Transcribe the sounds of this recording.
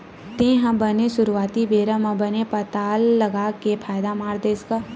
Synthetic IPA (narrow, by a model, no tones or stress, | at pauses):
t̪ẽɦãbəneʃʊɾuaːt̪ibeːɾə̃mə̃bənepət̪aːlːəɡakepʰaːjd̪amaːɾd̪eːska